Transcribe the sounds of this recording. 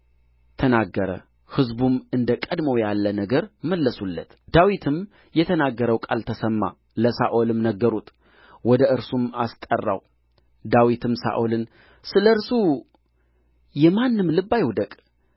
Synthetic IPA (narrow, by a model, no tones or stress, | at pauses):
t̪ʰənaɡːəɾə̰ | hɨzbumɨnd̪əkʼəd̪mowjalːənəɡəɾməlːəsulːət̪d̪̥awit̪ʰɨm | jɛt̪ʰənaɡːəɾəwkʼalt̪ʰəsəmːa̰ | ləsaʔolɨmnəɡːəɾut̪ | wɔd̪əʔɨɾsumast̪ʼərːa̰w | d̪awit̪ʰɨmsa̰ʔolɨn | sɨləɨɾsu | jɛmanːɨmlɨbːajwd̪əkʼ